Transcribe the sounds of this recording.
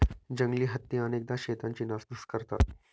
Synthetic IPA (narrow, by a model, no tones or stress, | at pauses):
d͡ʑəŋɡliːɦət̪ːiəneːk̚d̪aɕeːt̪ãɲt͡ɕiːnasd̪uskəɾt̪a̰t̪